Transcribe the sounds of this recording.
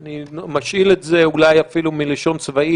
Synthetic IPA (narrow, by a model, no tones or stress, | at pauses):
animaʃiletze̞ulajafilumileʃo̞nt͡svai